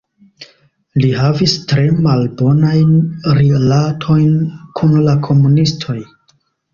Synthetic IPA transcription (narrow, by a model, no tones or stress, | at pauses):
liɦavistɾe̞malbo̞najnɾilatʰo̞jnkʰunlakʰo̞munistʰo̞j